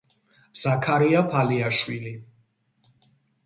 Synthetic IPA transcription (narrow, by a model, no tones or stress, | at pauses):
z̥akʰaɾiapʰaliaʃwili